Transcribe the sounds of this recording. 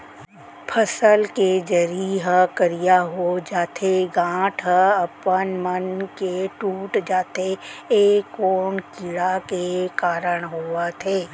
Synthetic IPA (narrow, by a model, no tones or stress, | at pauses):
pʰəsəlked͡ʒəɾiɦəkəɾijaɦod͡ʒaːt̪ʰeɡãːʈʰəɐpənmənkeʈuːʈd͡ʒaːt̪ʰeeːkoːnkiːɽakekaːɾəɽ̃ɦoːət̪ʰɦeː